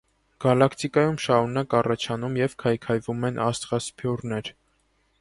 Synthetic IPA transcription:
ɡ̥ɑlɑkʰt̪ikɑjumʃɑɾunɑkɑrɑt͡ʃʰɑnumjɛvkʰɑjkʰɑjvumɛnʔɑst̪ʁɑspʰjɔrnɛɾ

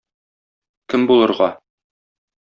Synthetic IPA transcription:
kɘmbulˠɤ̆ɾʁɑ

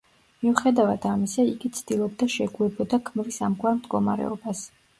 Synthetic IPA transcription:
miuχɛd̪avad̪̥amisaiɡit̪sʰd̪̥ilˠɔb̚d̪aʃɛɡuɛbɔd̪akʰmvisamɡʰwaɾmd̪ɡɔmaɾɛ̰ɔbas

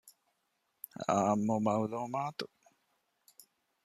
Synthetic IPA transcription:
a̰mːomawlomaːt̪u

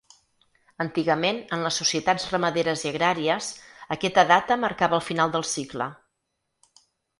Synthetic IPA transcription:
ənt̪iɣəmenənləsːusiət̪ad͡zrəməðeɾəziəɣɾaɾiəzəkɛt̪əðat̪əməɾkaβəlˠfinalˠd̪əlˠsiklə̰

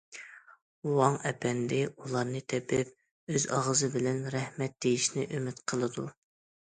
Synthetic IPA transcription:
wɑŋɛpʰɛnd̪ɪulˠɑɾnɨt̪ʰɛpʰɪp̚ | øzɑ̰ʁəzɨbɪlɛnɾɛhmɛt̪̚d̪̥ejiʃnɪʔymɪt̪qʰəlˠɨd̪u

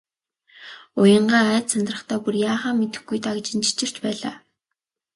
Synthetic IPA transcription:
ʊjə̆ɴɢaːæːt̪sʰant̪rə̆χt̪ʰæːpurjaːχaːmet̪ɘ̆xɡujt̪akt͡ɕɪ̆nt͡ɕi̥t͡ɕɪ̆r̥t͡ɕpæːɮa̰ː

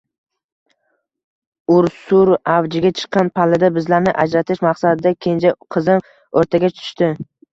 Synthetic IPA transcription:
ʊɾsʊɾavd͡ʒɪɡʲat͡ʃʰɨ̥qːɑnpʰalɪd̪abɪzlaɾnɪʔa̰d͡ʒɾat̪ʰɪʃmaqsad̪ɪd̪akʲʰe̞nd͡ʒaqʰɨzɪm | oɾt̪ʰaɡʲat͡ʃʰʊ̥ʊ̥ʃt̪ɪ

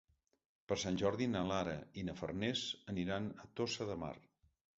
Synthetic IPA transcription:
pəɾsanʲʒɔɾðinəlaɾəinəfə̰rnɛzəniɾanət̪osəðəma̰r

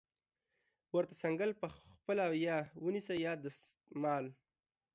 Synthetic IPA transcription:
wəɾt̪asaŋɡəlpəpəlajɑwənisajɑd̪əs | mɑl

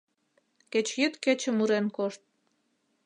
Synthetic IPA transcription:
ket͡ɕjyt̪ket͡ɕə̆muɾenkoʃt̪̚

